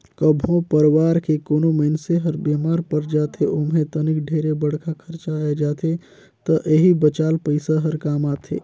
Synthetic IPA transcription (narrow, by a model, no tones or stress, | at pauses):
kəbʱõpəɾwaːɾkekoːnoməɪnseɦəɾbeːmaːɾpəɾd͡ʒaːt̪ʰeʔomɦẽt̪ənɪkɖʱeːɾebəɽ̤kʰakʰəɾt͡ʃaed͡ʒaːt̪ʰe | t̪əʔeɦibət͡ʃaːlpəɪsaɦɐɾkaːmaːt̪ʰḛː